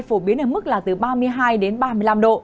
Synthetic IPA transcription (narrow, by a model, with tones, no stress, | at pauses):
jfo˧˩ɓi˨˦ənʔəː˧˩mɨ˦˥k̚laː˨˩t̪ɨ˨˩ɓaː˧mɨ˧əjɦaː˧jɗe˨˦nɓaː˧mɨ˧əjla˧mɗo̰˧˨